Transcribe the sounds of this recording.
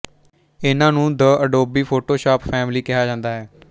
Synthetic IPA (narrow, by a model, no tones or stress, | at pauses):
ɪnãːnũːd̪əəɖoːbiːpʰoːʈoːʃaːpfʰɛːmliːkɪɦaːd͡ʒãːnd̪aːɦɛː